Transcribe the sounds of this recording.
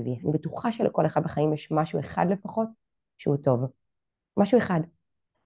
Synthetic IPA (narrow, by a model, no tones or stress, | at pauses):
vianibetuχaʃeleko̞leχad̚beχaimjɛʃmaʃue̞χa̰d̪lefaχo̞t̚ | ʃḛuto̞v | maʃue̞χad